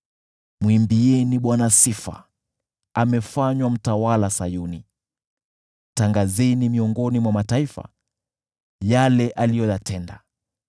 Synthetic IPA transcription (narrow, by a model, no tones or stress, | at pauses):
mwimbiɛniɓwanasifa̰ | amɛfaɲwam̩tawalasajuni | taŋɡazɛnimiɔŋɡɔnimwamataifa̰ | jalɛʔalijɔjatɛnda